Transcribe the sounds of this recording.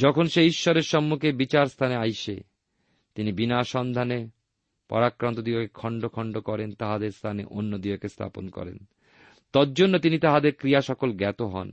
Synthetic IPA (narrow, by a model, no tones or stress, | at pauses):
d͡ʑɔkʰonʃeiʃːɔɾeɾʃɔmːukʰebit͡ɕaɾst̪ʰaneajʃḛ | t̪inibinaʃɔnd̪ʱane | pɔ̰ɾakɾant̪od̪iokekʰɔɳɖokʰɔɳɖokɔɾent̪aɦad̪eɾst̪ʰanḛʔonːod̪iokest̪ʰa̰po̰nkɔ̰ɾḛn | t̪ɔd͡ʑonːot̪init̪aɦad̪eɾkɾijaʃɔkolɡɛt̪oɦɔ̰n